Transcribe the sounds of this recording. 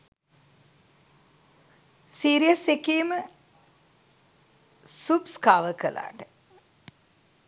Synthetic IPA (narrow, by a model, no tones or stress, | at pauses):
siːɾijəsekejːmə | supskaːʋəkəlʔa̰ːʈə